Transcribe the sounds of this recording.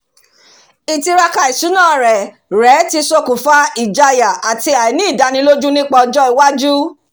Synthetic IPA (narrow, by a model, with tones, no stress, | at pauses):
i˨ti˧ɾa˧ka˧i˨su˨˦nãː˦˨ɾɛ˨ | ɾɛ˨˦ti˧so˧ku˨fa˦i˨d͡ʒa˧ja˨a˨ti˧a˨i˨nĩ˦i˦˨da˧˦nĩ˧˦lo˦d͡ʒũ˦nĩ˦k͡pɔ˧˨d͡ʒɔ˦i˨wa˦d͡ʒu˦